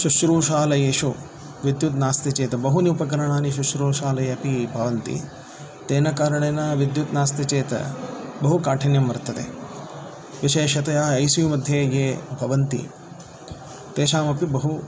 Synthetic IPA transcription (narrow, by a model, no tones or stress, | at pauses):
ʃuʃɾuːʃaːlɐjeʃu | ʋid̪jut̪naːst̪it͡ʃeːt̪ɐbɐɦuniupɐkɐɾɐɳaːniʃuʃɾuːʃaːlɐjɐɐpibʱɐʋɐnt̪ḭ | t̪eːnɐkaːɾɐɳeːnɐʋid̪jut̪naːst̪it͡ʃeːt̪ɐ̰bɐɦukaːʈʰɐnjɐmʋɐɾt̪ːɐt̪ḛː | ʋiʃeːʃɐt̪ɐjaːɐjsijumɐd̪ʱjeːjeːbʱɐʋɐnt̪ḭ | t̪eːʃaːmɐpibɐɦu